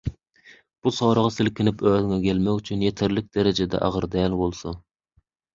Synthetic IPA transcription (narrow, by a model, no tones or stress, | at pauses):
b̥usowɾəʁɑsɪlkʲɪnɪpøːd̪ɪŋɛkʲʰɛlmɛkyt͡ʃʰynjet̪ʰɪɾlɪk̚ʲd̪ɛɾɪd͡ʒɛd̪ɛ̰ʔɑ̰ʁəɾd̪ɛlbolˠsu